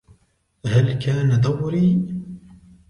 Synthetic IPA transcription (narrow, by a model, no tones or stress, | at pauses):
halkaːnad̪awɾiː